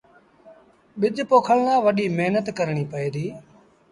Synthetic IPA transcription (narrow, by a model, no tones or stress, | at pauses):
ɓɪd͡ʒpoːkʰəɭnãːʋəɗiːmeɦnət̪kəɾɳ̃iːpəeːd̪iː